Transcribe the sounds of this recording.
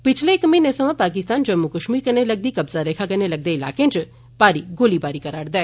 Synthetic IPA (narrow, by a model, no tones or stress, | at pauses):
pɪt͡ʃʰleːkməinesəʋãpaːkɪst̪aːnd͡ʒəmːukəʃmiːɾkəɾneləɡ̚d̪ikɐbzaɾeːkʰakənelɐɡ̚d̪eɪla̰ːkẽnt͡ʃ | paːɾiɡoːlibaːɾikɐɾaːɽd̪ae